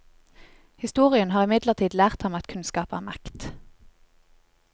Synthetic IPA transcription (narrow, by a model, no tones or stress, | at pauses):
hɪst̪uːʁɪənhɑːʁɪmɪd̪ləʁt̪ʰiːd̪læːʁt̪hɑmɑt̪kʰʉnskɑːpæːmækt̪